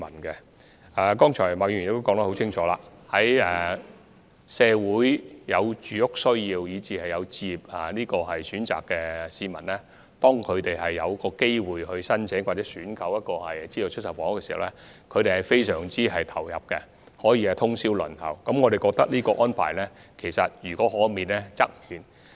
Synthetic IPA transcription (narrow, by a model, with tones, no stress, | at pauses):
mɐ˨˩nkɛ˧ | aː˨kɔː˥ŋt͡ʃʰɔː˨˩maː˨˩jy˨˩nɪ˧kt̪o˥kɔː˨˧ŋt̪ɐ˥ho˨˥wt͡sʰt͡ɕʰɪ˥ŋt͡ʃʰɔː˨˧la̰ː˧hɐ˨˥jɛ˨˩ | sɛː˧wuː˨˥jjɐ˨˧wt͡ʃyː˨jʊ˥k̚sɵ˥ɥjiː˧wjiː˨˧t͡siː˨˧hɐ˨jjɐ˨˧wt͡siː˧p̚ɐ˨liː˥kɔː˧ɦɐ˨jsyː˨˥nt͡sa̰ː˨kːɛ˧siː˧mɐ˨˩nlɛː˥ | t̪ɔː˥ŋkʰɵ˨˧ɥt̪e˨jɦɐ˨jːɐ˨˧wkɔː˧ke˥jwuː˨jhɵ˧ɥsɐ˥nt͡sʰɛ˨˥ŋwaː˨˩t͡sɛː˨˦syː˨˥nkʰɐ˨˧˥wjɐ˥t̚kɔː˧hɐ̰˨jt͡siː˥jo˨˩t͡ʃʰɵ˥t̚sɐ˨˩wfɔː˨˥ŋkɛː˧si̥˨hɐ̰˨wlɛ˥kʰɵ˨˧ɥɾe˨jhɐ˨˩jfe˥jsœː˨˩ŋt͡siː˥hɐ˨jt̪ʰɐ˨˩wjɐ̰˨p̚kɛ˧ | hɔː˨˥jiː˧ɛ˨t̪ʰʊ˥ŋsiː˥wlɵ̰˨˩nt̪ʰɐ̰˨˩wkɐ˨˦mŋɔː˨˧ɾe˨jkɔː˧k̚t̪ɐ˥k̚niː˥kɔː˧ʔɔː˥npʰa̰ː˨˩jlɛ˥kʰe˨˩jsɐ˨t̚jyː˨˩kɔː˨˥hɔː˨˥miː˨nlɛ˥t͡sɐ˥k̚hyː˨˩n